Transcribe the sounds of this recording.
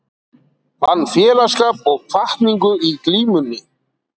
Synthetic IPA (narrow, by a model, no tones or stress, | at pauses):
hanːfjɛːlaskaːpɔɣfaht̪niŋkʏikliːmʏnːɪ